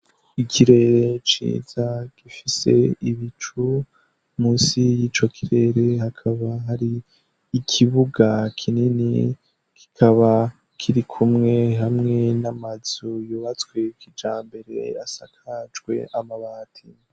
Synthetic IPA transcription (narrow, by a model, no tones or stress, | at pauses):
ikʰiɾe̞ɾe̞t͡ʃḭːz̥aɡ̥ifise̞̰iβit͡ʃu | muːnsijiːt͡ʃo̞kʰiɾe̞ɾe̞hakʰaβaɦaɾiː | kʰiβuɡakʰininḭ | kʰi̥kʰaβa | kʰiɾikʰumŋe̞ɦamŋe̞namazujoβat͡skwe̞kid͡ʒaːmbe̞ɾe̞̰ja̰sakʰad͡ʒɡwe̞̰ʔamaβaːtʰi